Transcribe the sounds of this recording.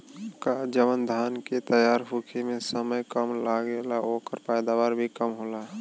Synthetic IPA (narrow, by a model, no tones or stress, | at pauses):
kad͡ʒəʋənd̪ʱanket̪əjaɾɦukʰimesəməjkəmlaɡelaokəɾpɛjd̪aʋaɾbʱikəmɦola